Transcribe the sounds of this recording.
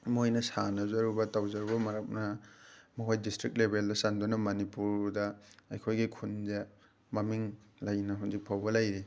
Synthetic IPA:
mojnɐsanɐzɐɾubɐtawzɐɾubɐmɐɾɐk̚nɐmɐkʰojdistɾik̚t̚lebʱeldɐsandunɐmɐnipuɾdɐɐjkʰojɡikʰunze | mɐmiŋ | lajnɐɦunzik̚pʰawbɐlajɾi

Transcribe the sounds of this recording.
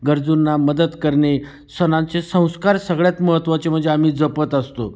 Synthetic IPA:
ɡəɾd͡zunːaməd̪ət̪kəɾɳe | sənãt͡sesə̃w̃skaɾsəɡɭjat̪məɦət̪ːʋat͡sem̤əɳd͡zeam̤iːd͡zəpət̪əst̪o̰

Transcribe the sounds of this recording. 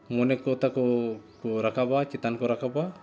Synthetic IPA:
monekot̪akokoɾakabat͡ʃit̪ankoɾakaba

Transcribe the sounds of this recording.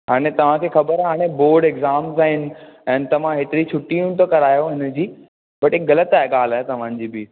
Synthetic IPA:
ɦaːɽ̃et̪ɐʋ̤ãkʰeːxɐbəɾɦaːɽ̃ẽboːɾɖeɡzaːmzaːɦɪnɪ̆ɛ̃ːnt̪ɐʋ̤ãɦeːt̪ɪɾit͡ɕʰʊʈiũt̪ʰokɐɾaːjoɦɪnə̆d͡ʑiː | bɐʈekɣɐlət̪aːɦeɠaːl̤aːɦet̪ɐʋ̤ã̆d͡ʑiːbɪ

